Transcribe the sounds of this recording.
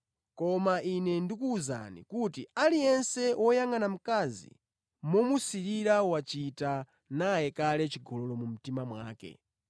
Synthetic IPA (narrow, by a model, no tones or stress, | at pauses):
kɔmaʔinɛndikuːza̰nḭkutialijɛnsɛwɔjaŋanam̩kazḭ | mɔmusiɾiɾawat͡ʃita | najɛkalɛt͡ʃiɡɔlɔlɔmum̩timamwa̰ːkɛ̰